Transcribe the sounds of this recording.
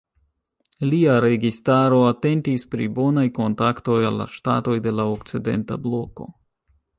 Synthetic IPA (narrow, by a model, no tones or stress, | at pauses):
liaɾe̞ɡistaɾo̞ate̞ntispɾibo̞najko̞ntakto̞jalːa̰ʃta̰to̞jde̞laokt͡side̞̰nta̰blo̞ko̞̰